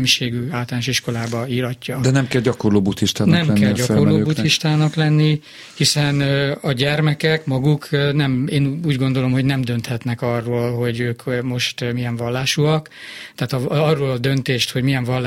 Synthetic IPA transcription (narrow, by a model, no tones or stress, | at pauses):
miʃeːɡyaːlt̪ɒlanoʃiʃko̞laːbɒiːɾɒcːɒd̪ɛnɛmkɛlɟɒkorloːbut̪hiʃt̪aːnnɛmk̪ɛlɟɒkorloːbut̪iʃt̪aːnɒklɛnːi | hisɛnɒɟɛrmɛkɛkmɒɡuknɛmeːnuːɟɡo̞nd̪o̞lo̞mho̞ɟnɛmd̪ø̞nt̪hɛt̪nɛkɒrːoːlɦo̞ɟøːkmo̞ʃt̪mijɛɱvɒlːaːʃuɒk | t̪aːt̪ɒɒrːoːlɒd̪ø̞nt̪eːʃt̪ho̞ɟmijɛɱvɒlː